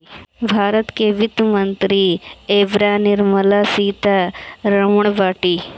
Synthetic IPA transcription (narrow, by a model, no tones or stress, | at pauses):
bʱaːɾət̪keʋɪt̪mɐnt̪ɾieːbɾaːnɪɾməlasiːt̪aɾɐməɳ̃baːʈiː